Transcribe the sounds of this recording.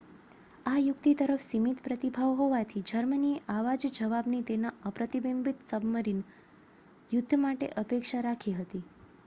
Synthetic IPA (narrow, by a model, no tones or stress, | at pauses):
ajʊkt̪it̪əɾəfsimit̪pɾət̪ibʱaʋɦoʋat̪ʰid͡ʒəɾmənieʔaʋad͡ʒd͡ʒəʋabnit̪enaəpɾət̪ibimbit̪səbməɾin | jʊd̪ʱːmaʈḛʔəpekʃaɾakʰiɦət̪i